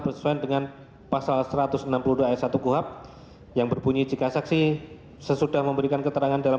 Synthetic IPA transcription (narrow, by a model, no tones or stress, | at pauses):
bərsə̥suandəŋan | pasalsəɾat̪ʊsənampuluduaɛsat̪ukuɦap̚ | jaŋbərbuɲid͡ʒikasaksi | səsudahməmbəɾikankət̪əɾaŋandala